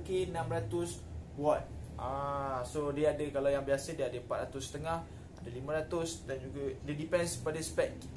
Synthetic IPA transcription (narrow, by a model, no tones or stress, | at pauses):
kenãmɾat̪ʊswatʔasodiadəkalawjaŋbiasədiəadəmpa̰t̪ʔ̪ɾat̪ʊsət̪əŋah | adəlimãɾat̪ʊsdɛnd͡ʒuɡədədipɛ̃nspadəspɛk